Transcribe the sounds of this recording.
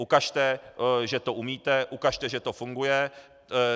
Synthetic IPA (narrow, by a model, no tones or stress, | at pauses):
ʔukaʃt̪ɛʒɛt̪o̞ʔumiːt̪ɛʔukaʃt̪ɛʒɛt̪o̞fuŋɡujɛ